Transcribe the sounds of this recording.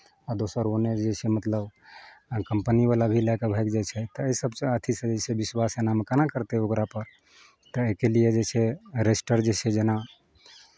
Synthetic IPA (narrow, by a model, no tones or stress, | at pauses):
ad̪osəɾoned͡ʒet͡ʃʰɛmət̪ləb | kəmpənibalabʱilakebʱɛkd͡ʒat͡ʃʰɛt̪ɔəsəbsə̃ət̪ʰisə̃d͡ʒet͡ʃʰɛbiswasenamekanakəɾt̪eokɾapəɾ | t̪ɔekelijed͡ʒet͡ʃʰɛɾesʈəɾd͡ʒet͡ʃʰɛd͡ʒena